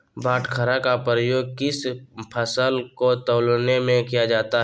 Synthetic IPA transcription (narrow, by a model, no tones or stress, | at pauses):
bʱaːʈʰkʰəɾakapɾəjoːɡ̚kɪspʰəsəlkot̪əːlnemẽkijad͡ʒaːt̪aɦɛ